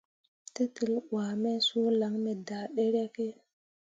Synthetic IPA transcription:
ti˦ti˨lɡwaː˨me˦so˦la˨˦ŋme˨da˨ɗe˦ɾe˦ke˦

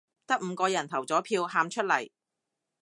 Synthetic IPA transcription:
t̪ɐ˥k̚m̩˨˧kɔː˧jɐ˨˩nt̪ʰɐ˨˩wt͡sɔː˨˥pʰiː˧wɦaː˧mt͡ʃʰɵ˥t̚lɐ˨˩j

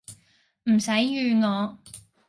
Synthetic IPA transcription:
m̩˨˩sɐ˨˥jːyː˨˧ŋɔː˨˧

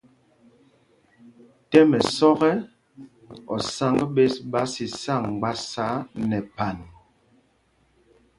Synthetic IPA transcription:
tɛ˦mɛ˨sɔ˦ɣɛ˦ | ɔ˨sa˦ŋɡə˦ɓe˦sɓa˨˦si˨sa˦˨ŋɡ͡ba˦sa˦nɛ˨pa˨n

